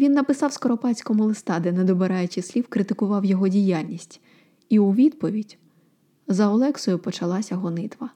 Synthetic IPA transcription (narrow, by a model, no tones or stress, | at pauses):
ʋʲinːɐpɪsɑwskɔɾɔpɑt͡sʲkɔmʊlˠɪst̪ɑd̪ɛnɛd̪ɔbeɾɑjʊt͡ʃɪsʲlʲiwkɾɪt̪ɪkʊʋɑwjɔɦɔdʲijalʲnʲisʲtʲ | iuʋʲid̪pɔʋʲidʲ | zɐɔlˠɛksɔjʊpɔt͡ʃɐlˠɑsʲɐɦɔnɪt̪ʋɐ